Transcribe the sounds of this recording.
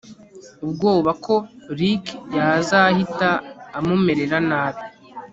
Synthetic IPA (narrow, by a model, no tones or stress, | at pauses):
ub̚ɡoːβakʰo̞ɾikjazahitaːmume̞ɾe̞ɾanaːβi